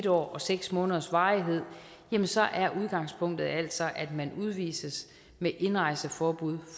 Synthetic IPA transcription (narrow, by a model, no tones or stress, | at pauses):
dɒ̰ːɒ̽seɡ̥smɔ̽ːnðˠɐsʋɑ̈ːiɦe̝ð̞̰ˠ | jemənsɒ̽ʔæɐʔuð̞ˠɡ̥ɑ̈ŋ̰spʰɔ̽ŋ̰d̥ð̩ˠæl̰d̥sɒ̽ʔæd̥mænuð̞ˠʋḭːsəs | meʔe̝nʁɑ̈ɪsəfɒːb̥uð̰ˠ